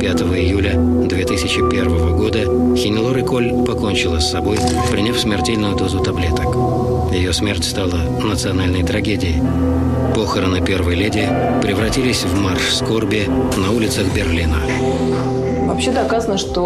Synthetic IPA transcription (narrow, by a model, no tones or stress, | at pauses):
pʲat̪əvəɪjulʲə | d̪vʲet̪ɨsʲɪt͡ɕɪpʲe̞rvəvəɡo̞d̪ə | xʲɪnʲɪlˠoɾɨkolʲpɐko̞nʲt͡ɕɪlˠəsːɐbo̞j | pɾʲɪnʲafsmʲɪrtʲelʲnʊjʊd̪o̞zʊt̪ɐblʲe̞t̪ək | jɪjo̞smʲertʲst̪alˠə | nət̪sɨɐnalʲnəjt̪ɾɐɡʲedʲɪɪ | po̞xəɾənɨpʲe̞rvəjlʲedʲɪɪ | pɾʲɪvɾɐtʲilʲɪsʲvmarʂsko̞rbʲɪnɐulʲɪt̪səɣbʲɪrlʲinə | vɐpɕed̪ɐkazənəʂt̪o